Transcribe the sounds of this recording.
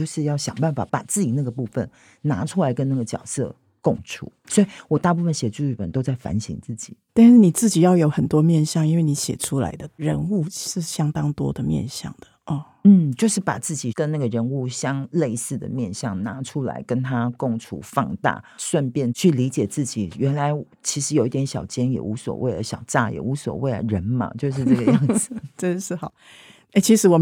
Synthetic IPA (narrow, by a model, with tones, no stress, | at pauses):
jo˥˧ʊʂɻ̩˥˧jɑ˥˩ʊɕjɑ̰˨˩ŋpa˥˩nfa̰˨˩pa̰˨˩t͡sɹ̩˥˩t͡ɕi˨˩na˥˩ɡə˩pu˥˧fə̰˨n | na˧˥ʈ͡ʂʰu˥la˧˥ɪkə˦na˥˩ɡə˨˩t͡ɕjɑ̰˨˩ʊsɤ̰˥˧ | kʊ˥˧ŋʈ͡ʂʰṵ˨˧˦swɔ˧˥i˨wɔ˨˩t̪a˥˧p̬u˥˩fə˨nɕjɛ˨˩ʈ͡ʂu˥˧y˥˩pə˨˩nt̪o˥ʊt͡sa˥˩ɪfa̰˧˥nɕḭ˧˥ŋt͡sɹ̩˥˩t͡ɕi˨˩˦t̪a˥˧nʂɻ̩˥˩ni˨˩t͡sɹ̩˥˩t͡ɕi˨˩jɑ˥˩ʊjo˧˥ʊxə˨˩nt̪wɔ˥mjɛ˥˨nɕjɑ˥˨ŋi˥nwe˥˩ɪni˧˦ɕjɛ̰˨˩ʈ͡ʂʰu˦˥la̰˧˥ɪd̪ə˨ɻə˧˦nu˥˧ʂɻ̩˥˩ɕjɑ˥ŋt̪ɑ˥ŋt̪wɔ̰˥d̪ə˨mjɛ̰˥˨nɕjɑ̰˥˨˩ŋd̪̥ə˩ə˨˩ | n̩˥˩t͡ɕjo˥˧ʂɻ̩˥˩pa̰˨˩t͡sɹ̩˥˩t͡ɕi˨˩kə˦nna˥˩ɡə˩ɻə˧˥nu˥˩ɕjɑ˥ŋle˥˧ɪsɹ̩˥˩d̪ə̰˨˩mjɛ˥˨nɕjɑ˥˨˩ŋna˧˥˦ʈ͡ʂʰu˦˥la̰˧˥ɪkə˥nt̪ʰa˥kʊ˥˧ŋʈ͡ʂʰṵ˨˩fɑ̰˥˧ŋt̪a̰˥˩swa˥˧npjɛ˥˧nt͡ɕʰy˥˩li˧˥t͡ɕjɛ˨˩t͡sɹ̩˥˩t͡ɕi˨˩ɥɛ˧˥nla˧˦ɪ | t͡ɕʰi˧˥ʂɻ̩˧˥jo˨ʊi˥˩t̪jɛ˧˥˦nɕjɑ˨˩ʊt͡ɕjɛ˥njɛ̰˨˩u˧˥swɔ̰˨˩we˥˩ɪlə̰˩ɕjɑ˨˩ʊʈ͡ʂa̰˥˩jɛ̰˨˩u˧˥swɔ̰˨˩we˥ɪə̰˨˩ɻə˧˦nmɐ̰˧t͡ɕjo˥˧ʊʂ̬ɻ̩˥˧ʈ͡ʂɡə˨jŋd͡z̩˨˩ʈ͡ʂə˥ə˧ʂɻ̩˥˩xɑ˨˩˦ʊ | e˥˩ɪt͡ɕʰi˧˥ʂɻ̩˧˥wɔ˨˩m